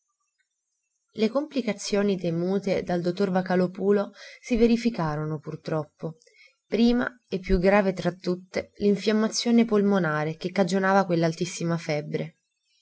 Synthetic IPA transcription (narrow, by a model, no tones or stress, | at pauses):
lekomplikat̪sːjoːnit̪emuːt̪ed̪ald̪ot̪ːorvakalopuːlosiveɾifikaːɾonopurt̪ɾɔpːo | pɾiːma̰ | epːjuɡɾaːvet̪ɾat̪ːut̪ːeliɱfjamːat̪sːjoːnepolmonaːɾek̟ekːad͡ʒonaːvakwelːalt̪isːimafɛbːɾe